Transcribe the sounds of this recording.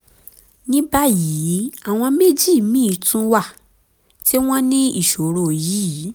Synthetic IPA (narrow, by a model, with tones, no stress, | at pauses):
nĩ˦ba˦ji˨˦a˦˨w̃ɔ̃˧me˦d͡ʒi˦˨mĩ˦˨tũ˦wa˦˨ | ti˦w̃ɔ̃˦nĩ˦i˦˨ʃo˨ɾo˨ji˨˦˨